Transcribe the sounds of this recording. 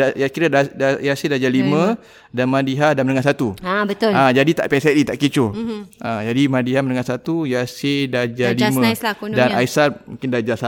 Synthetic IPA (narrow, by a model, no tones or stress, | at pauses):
ajakiɾadadajasedad͡ʒalimə̃ | danmãdiɦadanmənəŋahsat̪uabət̪ʊlãd͡ʒadit̪a̰ʔpɛsɛʔ̚dit̪aʔkit͡ʃʊlad͡ʒadimãdiɦaməndəŋasat̪ujasedad͡ʒalimə̃sladanaisamũŋkɪndad͡ʒasa